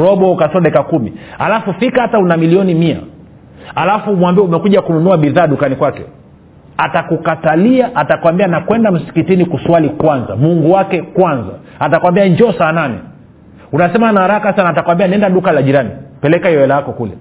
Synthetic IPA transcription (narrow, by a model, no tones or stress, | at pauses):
ɾɔɓɔkasɔɗɛkakumḭha̰lafufikahataunamiliɔnimia̰ | alafumwambiɛumɛkuʄakununuaɓiðaːɗukanikwakɛ̰ | atakukataliaʔatakwambianakwɛndam̩si̥kitinikuswalikwanza̰muŋɡuwakɛkwanza̰ | atakwambiaɲd͡ʒɔsaːnanḭ | unasɛmaanahaɾakasanaːtakwambianiɛndaɗukalaʄiɾanḭpɛlɛkaiɔwɛlajakɔkulɛ̰